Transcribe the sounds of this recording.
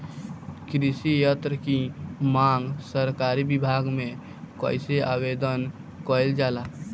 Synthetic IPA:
kɾɪsijət̪ɾəkimãːŋɡsəɾkaːɾibɪbʱaːɡmẽ | kə̰ːɪsea̰ːweːd̪ən | koːɪld͡ʒaːlaː

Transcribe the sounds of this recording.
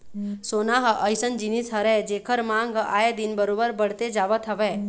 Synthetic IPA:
sonaɦəʔəjsənd͡ʒinisɦəɾed͡ʒekʰəɾmãŋɡajed̪inbəɾobəɾbəɽt̪ed͡ʒaʋət̪ʰəʋe

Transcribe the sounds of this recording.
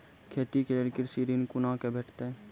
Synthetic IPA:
kʰeːt̪ikelelkɪɾsiːɾinkʊnakebʱeːʈʰt̪eɛ

